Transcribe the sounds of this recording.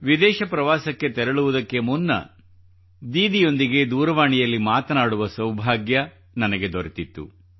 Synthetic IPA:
ʋid̪ɛːʃɐpɾɐʋaːsɐkːe̞t̪ɛɾɐɭuʋud̪ɐkːe̞munːɐ̰ | d̪iːd̪ijo̞nd̪iɡe̞d̪uːɾɐʋaːɳijɐlːimaːt̪ɐnaːɽuʋɐsɐwbʱaːɡjɐ | nɐnɐɡe̞d̪oɾet̪it̪ːṵ

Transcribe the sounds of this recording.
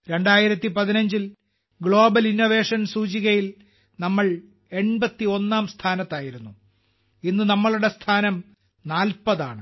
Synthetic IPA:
ɾe̞ɳɖaːjiɾɐt̪ːipɐðinɐɲd͡ʑil | ɡɭo̞ːbɐlinːo̞ʋe̞ːʂɐnsuːt͡ɕiɣɐjil | nɐmːɐɭ | e̞ɳbɐt̪ːio̞nːaːmst̪ʰaːnɐt̪ːaːjiɾunːu | inːɨnɐmːɐɭuɽest̪ʰaːnɐm | naːlpɐðaːɳɨ

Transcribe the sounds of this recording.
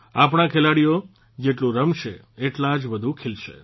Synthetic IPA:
ap̬ɳ̃ãkʰelaɽijo | d͡ʒeʈlũɾəmʃe | eʈlãd͡ʒbəd̪ʱũkʰelʃḛ

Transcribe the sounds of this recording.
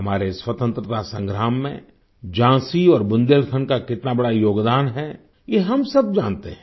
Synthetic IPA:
ɐmaːɾeswət̪ə̃nt̪ɾət̪asə̃ŋɡɾaːmːḛ̃ | d͡ʒãːsiɔːɾbʊ̃nd̪elt̪ʰənkakɪt̪nabɐɽajoːɡd̪aːnɦɛ | jeɦɐmsɐb̚d͡ʒaːnt̪eɦɛ̃

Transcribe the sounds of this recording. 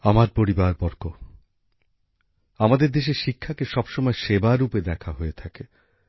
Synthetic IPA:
amaɾpoɾibaɾbɔɾko | amad̪eɾd̪eʃeɾʃikʰːakeʃɔbʃɔmɔeʃebaɾuped̪ɛkʰaɦoet̪ʰake

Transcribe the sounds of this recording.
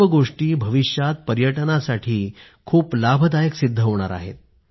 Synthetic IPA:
əɡoʂʈiːbʱəʋiʂjat̪̚pəɾjəʈənasaʈʰiː | kʰuːplabʱəd̪ajəksid̪ʱːəɦoɽ̃a̰ɾa̰ɦḛt̪̚

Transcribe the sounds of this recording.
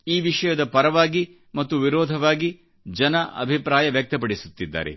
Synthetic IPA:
iːʋiʂɐjɐd̪ɐpɐɾɐʋaːɡi | mɐt̪ːuʋiɾɔːd̪ʱɐʋaːɡi | d͡ʒɐnɐʔɐ̰bʱipɾaːjɐʋjɐk̚t̪ɐpɐɽisut̪ːid̪ːa̰ːɾḛ

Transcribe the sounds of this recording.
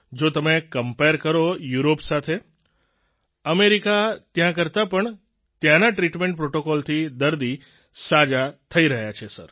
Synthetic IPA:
d͡ʒot̪əmekəmpeɾkəɾojuɾopsat̪ʰe | əmeɾikat̪jãkəɾt̪apəɳ | t̪jãnaʈɾiʈmẽɳʈ̚pɾoʈokɔlt̪ʰid̪əɾd̪i | sad͡ʒat̪ʰəiɾəɦjat͡ʃʰesə̰ɾ

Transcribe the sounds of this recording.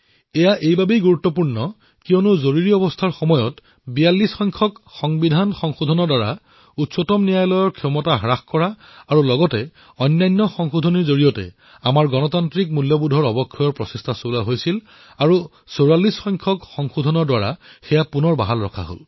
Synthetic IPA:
ɛjaʔejbabejɡuɹutːɔpuɹnɔ | kiɔnuzoɹiɹiɔbɔstʰaɹxɔmɔjɔt | bijalːisxɔjŋkʰɔkxɔŋbidʱanxɔŋxudʱɔnɔɹdwaɹa | utsɔtɔmnijajlɔjɔɹkʰɔmɔtaɦɹaxkɔɹa | aɹulɔɡɔtɛ | ɔjnːajnːɔxɔŋxudʱɔniɹzoɹijɔtɛ̰ | amaɹɡɔnɔtantɹik̚muljɔbudʱɔɹɔbɔkʰːɔjɔɹpɹɔsestʰasolaɦojsil | aɹu | soɹalisxɔjŋkʰɔkxɔŋxudʱɔnɔɹdwaɹa̰xɛjapunɔɹba̰ɦalɹɔ̰kʰa̰ɦo̰l

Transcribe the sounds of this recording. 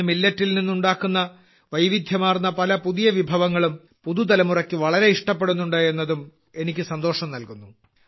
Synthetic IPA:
milːɐtːilninːuɳɖaːkːunːɐ | ʋɐjʋid̪ʱjɐmaːrnːɐpɐlɐpuðijɐʋibʱɐʋɐŋːɐɭum | puðut̪ɐlɐmurɐkʲːɨʋɐɭɐɾe̞iʂʈɐpːe̞ɽunːuɳɖɨe̞nːɐðum | e̞nikʲːɨsɐnd̪o̞ːʂɐmnɐlkunːu

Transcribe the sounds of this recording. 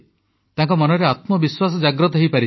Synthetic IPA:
t̪ãŋkɔmɔnɔɾeat̪mɔbiswas̬ɔd͡ʒaɡɾɔt̪̬ɔɦejpaɾi

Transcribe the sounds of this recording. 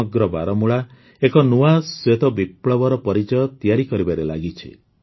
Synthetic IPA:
ɔɡɾɔba̰ɾɔmuɭa | ekɔnuaswet̪ɔbipɭɔbɔɾɔpɔɾit͡ʃɔjɔt̪ijaɾikɔɾibaɾela̰ɡit͡ʃʰḭ

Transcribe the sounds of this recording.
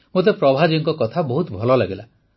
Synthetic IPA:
mot̪̬epɾɔbʱad͡ʒɔɔŋkɔkɔt̪ʰabɔɦut̪bʱɔlɔlaɡela

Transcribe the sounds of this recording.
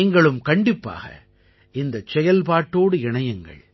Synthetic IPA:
ŋɡɐɭɯmkɐɳɖɪpːa̰ːɣɐ̰ | ɪnd̪ɐt͡ʃɛjɐlpaːʈːoːɽɯɪɳɐjɐŋɡɐ̰ɭ

